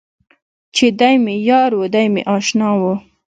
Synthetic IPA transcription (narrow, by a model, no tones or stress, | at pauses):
t͡ʃed̪ajmejɑɾwud̪ajmḛʔɑʃnɑwu